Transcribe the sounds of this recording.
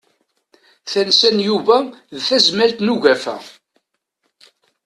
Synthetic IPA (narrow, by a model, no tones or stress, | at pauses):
θænsænjuvæðθæzmælt̪nuʝæfæ̰